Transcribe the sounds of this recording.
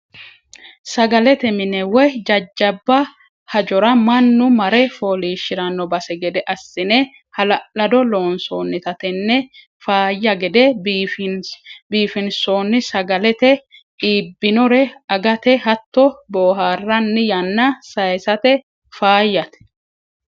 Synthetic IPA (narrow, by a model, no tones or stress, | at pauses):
sɐɡɐlɛt̪ɛmɪnɛwɛd͡ʒɐd͡ʒːɐbːɐ | hɐd͡ʒɔɾɐmɐnːʊmɐɾɛfoːliːʃːɪɾɐnːɔbɐsɛɡɛd̪ɛʔɐsːɪnɛ | hɐlɐlɐd̪ɔloːnsoːnːɪt̪ɐt̪ɛnːɛ | faːjːɐɡɛd̪ɛbf | biːfɪnsoːnːɪsɐɡɐlɛt̪ɛ | iːbːɪnɔɾɛɐɡɐt̪ɛhɐt̪ːɔboːɦaːrːɐnːɪjɐnːɐsɐjsɐt̪ɛ | faːjːɐt̪ɛ̥